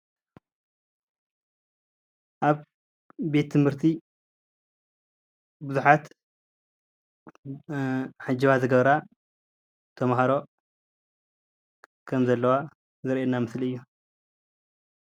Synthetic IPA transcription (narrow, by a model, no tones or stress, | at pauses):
ʔaβ | be̞t̪ʰːɨmhɨɾt̪ʰi | bɨzuħat̪ | ħad͡ʒːiβazɨɡɐβɾa | t̪ʰɐmɦaɾo̞ | kʰɐmzɐlːɐwa | zɨɾʔenamɨsliɨjːu